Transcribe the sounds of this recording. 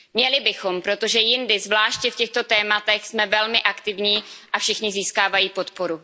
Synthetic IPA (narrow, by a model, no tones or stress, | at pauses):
mɲɛlɪbɪxo̞mpɾo̞t̪o̞ʒɛjɪndɪzvlaːʃcɛfcɛxt̪o̞t̪ɛːmat̪ɛxsmɛvɛlmɪʔakt̪ɪvɲiːʔafʃɪxɲɪziːskaːvajiːpot̪po̞ɾu